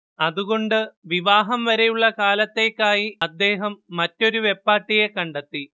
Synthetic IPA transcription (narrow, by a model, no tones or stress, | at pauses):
ɐðuɣo̞ɳɖɨʋiʋaːɦɐmʋɐɾe̞juɭːɐkaːlɐt̪ːe̞ːkːaːjiɐd̪ːe̞ːɦɐmːɐtːo̞ɾuʋe̞pːaːʈːije̞kɐɳɖɐt̪ːi